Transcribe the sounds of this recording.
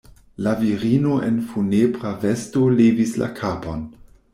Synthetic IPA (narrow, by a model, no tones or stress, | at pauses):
laviɾino̞ʔḛnfunebʁave̞sto̞levisla̰kʰapo̞n